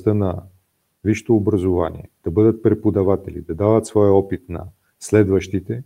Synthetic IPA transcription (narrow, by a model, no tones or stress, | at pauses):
t̪ənɐ | viʃt̪oːbɾɐzovanḭɛd̪̥ɐbɤd̪ət̪̚pɾɛpod̪ɐvat̪ɛlḭd̪ɐd̪avət̪svɔjɔpit̪nɐ̰ | slɛd̪vəʃt̪it̪ɛ